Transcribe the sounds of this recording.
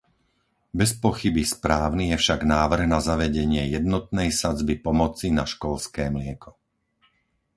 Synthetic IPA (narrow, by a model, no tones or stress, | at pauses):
bɛspɔxibispɾaːʊnijɛfʃaɡnaːʋr̩ɣnazaʋɛɟɛɲɪɛjɛd̪nɔt̪̚nɛjsad͡zbipɔmɔt͡sinaʃkɔlskɛːmlɪɛkʰɔ̥